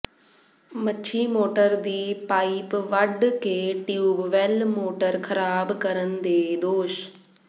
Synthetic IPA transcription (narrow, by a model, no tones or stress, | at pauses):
mɐʃʰimoːʈəɾd̪iːpaːipʋɐɖkeːʈjuːbʋelmoːʈəɾkʰɐɾaːbkɐɾənɪ̆d̪eːd̪oːʃ